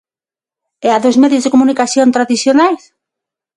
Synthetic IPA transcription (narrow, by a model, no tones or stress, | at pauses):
ɛaðozmɛðjozðekomunikaθjont̪ɾaðiθjonajs